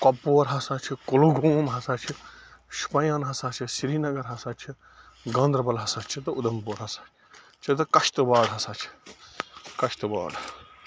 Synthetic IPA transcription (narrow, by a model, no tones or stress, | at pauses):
kopːoːɾɦɐsaːt͡ʃʰikoluːɡoːmɦɐsaːt͡ʃʰiʃu̥pɐjaːnɦɐsaːt͡ʃʰisiɾiːnɐɡɐɾɦɐsaːt͡ʃʰi | ɡɐ̃ːnd̪ɾɐbɐlɦɐsaːt͡ʃʰit̪ɐud̪ɐmpoːɾɦɐsaː | t͡ʃʰit̪ɐkɐʃt̪ɨbaːɽɦɐsaːt͡ʃʰi̥ | kɐʃt̪uba̰ːɽ